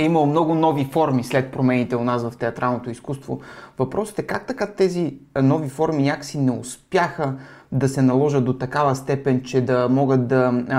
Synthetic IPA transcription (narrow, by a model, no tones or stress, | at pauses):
ɛimɐlˠomnɔɡʊnɔvifɔɾmislɛt̪̚pɾomɛnit̪ɛonasvɐft̪ɛɐt̪ɾalˠnot̪oiskust̪vo̰vɐpɾʔɔsə̥t̪ɛkak̚t̪ɐkat̪ɛzinɔvifɔɾminʲakə̥sinɛʊspjaxəd̪ɐsɛnɐlˠɔʒəd̪̚d̪ot̪ɐkavəst̪ɛpɛnt͡ʃɛd̪ɐmɔɡət̪̚d̪ɐ